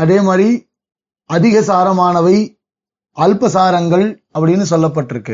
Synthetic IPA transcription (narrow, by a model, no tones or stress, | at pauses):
ɐðeːmaːri | ɐðɪɣɐsaːɾɐmaːnɐʋɐɪ | ʔaːlpɐsaːɾɐŋɡɐɭ | ɐpːɐɽɪjnːɯsɔlːɐp̬ːɐʈːɪɾɯkːɯ̰